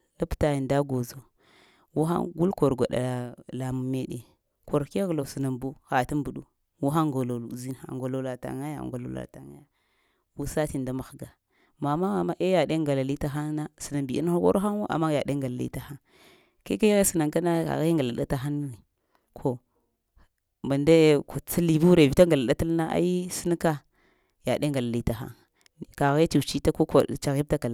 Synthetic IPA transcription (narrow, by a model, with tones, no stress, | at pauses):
la˦pta˨i˨nda˦ɡo˨zo˨ | wu˦xa̰˦nɡu˦lko˨ɾɡʷa˨ɗa̰˨la˨mu˨˦me˦ɗe˨ | ko˨ɾke˦ɣlo˨sə˨na˨mbu˦xa˨tu˦mbu˨ɗu˦˨ | wu˦xa˦ŋɡo˨lo˨lu˨zi˦na̰˨ŋɡo˨lo˨la˨ta̰˨ŋa˦ja̰˦˨ŋɡo˨lo̰˨la̰˨ta˨ŋa˦ja˦ | wu˦sa˦ti˨n˨da˦ma˨xɡa˨ | ma˨ma˦ma˨ma˦ʔe˦ja˨de˦ŋɡa˨la˨li˦ta˦xa˦na˦si˨na˨bi˨i˦n˦xo˦ko̰˦ɾxa˦n˦wo˦ʔa̰˨mːa˦ja˨de˦ŋɡa˨la˨lḭ˦ta˨xa˦ŋ | ke˦ke˦jɣe˦si˨na˨ŋka˦na˦ka̰˨ɣi˦ŋɡa˨la˨ɗa̰˦ta˨xa˦n˦ni˨ | kʰo˨ | ma˨nda˦kt͡sa˦li˨bu˦ɾe˨vi˨ta˦ŋɡa˨la˨ɗa˦ta˦lna˦ʔa̰˦ji˦si˦n˦ka˦ | ja˨ɗe˦ŋɡa˨la˨li˦ta˨xa̰˦ŋ˨ | ka˨ɣe˦ti˨t͡ʃi˦ta˦ko˦ka̰˨t͡ʃa˨ɣi˦b̚ta˦ka˨la˦